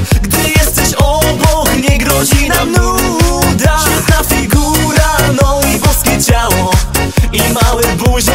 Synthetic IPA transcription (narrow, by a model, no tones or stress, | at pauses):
ɡd̪ɪɘjɛst̪ɛɕɔbɔkɲɛɡɾɔʑinamnud̪anafʲiɡuɾanɔ̃w̃ibɔskʲɛt͡ɕawɔ | imawɛbuʑ